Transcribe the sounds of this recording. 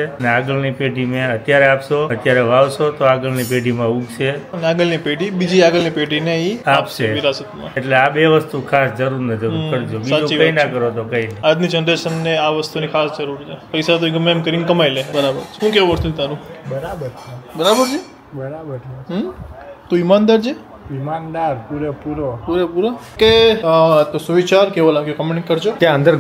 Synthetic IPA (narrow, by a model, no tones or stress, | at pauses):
eəneaɡəlnipeɖimẽət̪jaɾeapʃoət̪jaɾeʋaʋsot̪oaɡəlnipeɖimãukt͡ʃʰeɐneaɡəlnipeɖibid͡ʒiaɡəlnipeɖineiapʃeʋiɾasət̪mã̰eʈleabeʋəst̪ukʰasd͡ʒəɾuɾnəd͡ʒəɾuəɾd͡ʒobisaõt͡ʃiəĩnakəɾot̪okəinəiad̪mid͡ʒənɾeʃənːeaʋəst̪unikʰasd͡ʒəɾuɾt͡ʃʰepəjsat̪̬oiɡəmemkəɾiŋkəmajlebəɾabəɾʃũkeʋuʋəst̪ut̪aɾũbəɾabəɾt͡ʃʰebəɾabəɾt͡ʃʰe | bəɾabəɾt͡ʃʰeɦt̪ũimand̪aɾd͡ʒʰe | imand̪aɾpuɾepuɾopuɾepuɾoke | t̪osuʋit͡ʃaɾkeʋolamkekəmeʈkəɾd͡ʒot̪jãə̃nd̪əɾ